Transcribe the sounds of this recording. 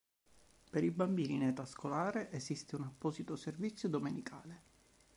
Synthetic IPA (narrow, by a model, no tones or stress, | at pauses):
peɾibambiːninɛt̪askolaːɾeʔezist̪eunapːɔːzit̪oservit̪sːjod̪omenikʰa̰ːle